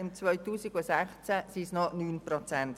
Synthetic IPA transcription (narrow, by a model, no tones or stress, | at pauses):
ɪmt͡sʋœʏtuːsiɡusɛχt͡sæsisnɔnyːnprɔt͡sɛnt